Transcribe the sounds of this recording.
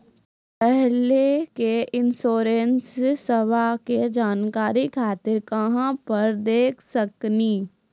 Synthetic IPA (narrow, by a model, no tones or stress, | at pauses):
pɛɦlekeʔɪnsoːɾenssɐʋaked͡ʒaːnkaːɾikʰaːt̪ɪɾkɐɦãpɐɾd̪eːkʰsɐkniː